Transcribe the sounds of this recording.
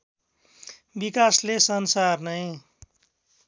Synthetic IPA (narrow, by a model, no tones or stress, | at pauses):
bikaslesʌnsarnʌj